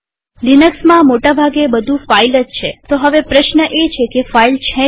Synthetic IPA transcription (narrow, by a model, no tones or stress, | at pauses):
linəksmãmoʈabʱaɡebəd̪ʱũfailəd͡ʒt͡ʃʰet̪oɦəʋepɾəʃnəʔet͡ʃʰekefailt͡ʃʰɛ̃